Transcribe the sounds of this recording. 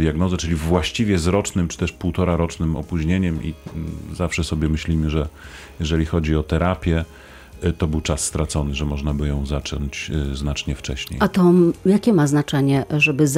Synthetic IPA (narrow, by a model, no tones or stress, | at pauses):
d̪ʲjaɡnɔzɛt͡ʂɘlʲivwaɕt͡ɕivʲjɛzɾɔt͡ʂnɘmt͡ʂɘ̥t̪ɛʂpuwt̪ɔɾaɾɔt͡ʂnɘmɔ̰puʑɲeɲɛmʔḭzafʂɛsɔbʲjɛmɘɕlʲimɘʐɛ | jɛʐɛlʲixɔd͡ʑiɔt̪ɛɾapʲjɛ | t̪ɔbɘwt͡ʂasːt̪ɾat̪sɔnɘʐɛmɔʐnabɘjɔ̃w̃zat͡ʂɔɲt͡ɕznat͡ʂɲɛft͡ʂɛ̰ɕɲḛjat̪ɔjakʲɛmaznat͡ʂɛɲɛʐɛbɘz